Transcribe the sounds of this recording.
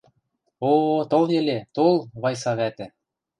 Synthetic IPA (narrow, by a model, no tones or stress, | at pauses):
ot̪oljɘ̆let̪olˠβɑjsɑβæt̪ɘ̆